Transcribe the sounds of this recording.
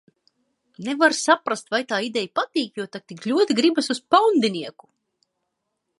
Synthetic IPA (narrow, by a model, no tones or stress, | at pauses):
nevaɾsapɾast̪vajt̪aːid̪ɛjpat̪iːkjuɔt̪at̪iklʲuɔt̪iɡɾibasuspawnd̪inʲiɛku̥